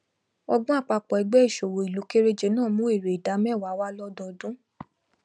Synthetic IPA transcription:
ɔ˦ɡũ˦a˦˨k͡pa˧k͡pɔ˨ɛ˨˧ɡ͡bɛ˦i˦˨ʃo˨wo˨i˨lu˨˦ke˦ɾe˦d͡ʒe˧˦nãː˦˨mũ˦e˦˨ɾe˨i˨da˨˦mɛ˦˨wa˨˦wa˦lɔ˦dɔ̃˧dũ˦

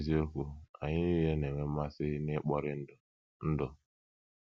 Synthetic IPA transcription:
ze˦kʷʊ˨a˨ɲɪ˦je˦ne˨me˦ma˦sɪ˦nɪ˦k͡pɔ˦ɾɪ˦n̩˦d | n̩˦dɔ˨

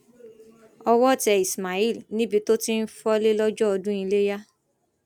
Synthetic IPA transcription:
ɔ˧wɔ˦˨tɛ˧i˨sma˨i˦˨lnĩ˦bi˧to˦ti˦n̩˦fɔ˦le˦lɔ˦d͡ʒɔ˦ɔ˧dũ˦i˧le˦ja˦

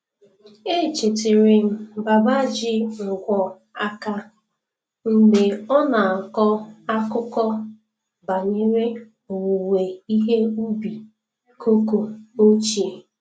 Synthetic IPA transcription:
e˦˨t͡ʃe˨tɪ˨ɾɪ˨m̩˦ba˨ba˦d͡ʒɪ˦ŋ̩˨ɡʷɔ˨ | a˦ka˦ | m̩˦ɡ͡be˨ɔ˦na˨ŋ̩˨kɔ˦a˦kʊ˦kɔ˦ | ba˨ɲe˦ɾe˦ | o˨wu˨we˨i˦ɦe˦u˦bi˨ | kʰo˦ko˨o˦t͡ʃi˨e˨

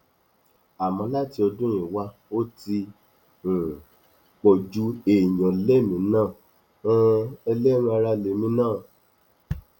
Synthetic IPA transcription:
a˨mɔ̃˧˦la˦ti˧˦ɔ˧dũ˦ĩ˨wa˧˦ | o˦tĩ˧˨ | k͡pɔ˨d͡ʒu˦e˨jɔ̃˨le˦mĩ˨˧˦nãː˦˨ | ũ˦ɛ˧le˦ɾ̃a˧ɾa˧le˨mĩ˧˦nãː˦˨

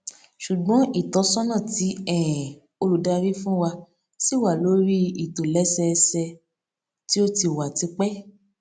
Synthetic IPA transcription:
ʃu˨ɡ͡bɔ̃˨˦i˦˨tɔ˨˦sɔ˦nã˦˨ti˨˦ɛ˦˨ | o˧lu˧da˧ɾi˦fũ˦wa˧ | si˦˨wa˨lo˨˦ɾi˦i˨to˨lɛ˨˦sɛ˧sɛ˧ | ti˦o˦ti˧˨wa˨ti˨˦k͡pɛ˦

